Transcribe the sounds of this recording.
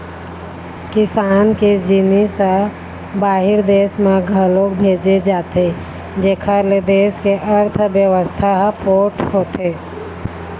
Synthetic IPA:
kisanked͡ʒinisə̃ | baɦiɾd̪esmeɡʱəlokbʱed͡ʒed͡ʒat̪e | d͡ʒekʰəɾled̪eskeʔəɾt̪ʰbjəʋəst̪ʰaɦpoʈʰhot̪ʰe

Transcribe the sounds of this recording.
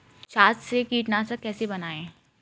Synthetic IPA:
t͡ʃaːtsekiːʈnasɐkɛːsebɐnaːẽ

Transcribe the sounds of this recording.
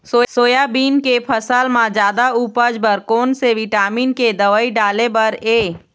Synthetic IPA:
soːsoːjabiːnkepʰəsəlmãd͡ʒjaːd̪auːpəd͡ʒbəɾkoːnseʋɪʈaːmiːnked̪əʋaːiɖaːlebəɾeː

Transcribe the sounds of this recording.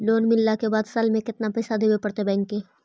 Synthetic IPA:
loːnmɪlːakebaːd̪salmẽkɪt̪napɛːsad̪eːwepɐɽt̪ebɛ̃ːŋkːeː

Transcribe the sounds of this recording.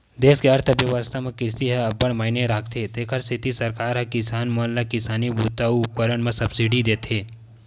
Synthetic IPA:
d̪eːskeɐɾt̪ʰəbjɐʋaːst̪ʰamẽkɪsiɦə̃ɐbəɽmaːɪneɾaːkʰt̪ʰet̪eːkʰəɾsʰɪt̪isɐɾkaːɾɦɐ̃kɪsaːnmɐllakɪsaːnibut̪auʊp̚kəɾəɳmẽsɐbsiɖid̪eːt̪ʰeː

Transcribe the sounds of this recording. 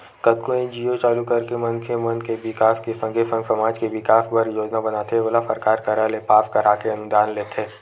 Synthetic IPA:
kɐt̪̚koẽd͡ʒiːot͡ʃaːlukɐɾkemɐ̃nkʰemɐnkebɪkaːskesə̃ŋɡesə̃ŋɡsɐmaːd͡ʒkeʋɪkaːsbɐɾjoːd͡ʒnabɐnaːt̪ʰeʋolafə̰ɾkaːɾkɐɾalepaːfkɐɾaːkeɐnd̪aːnleːt̪ʰeː

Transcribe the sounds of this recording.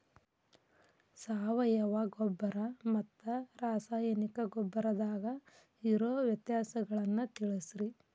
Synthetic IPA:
saːʋɐjɐʋɐɡɔbːɐɾɐmɐt̪ːɐɾaːsaːjɐnikɐɡɔbːɐɾɐd̪aːɡɐ | iɾoːʋjɐt̪jaːsɐɡɐɭɐnːut̪iɭisɾi

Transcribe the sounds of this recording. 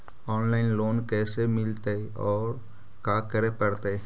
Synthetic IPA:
ɔːnlaːɪnloːnkɛːsemɪlt̪e | ɔːɾ | kaːkəɾepəɽt̪e

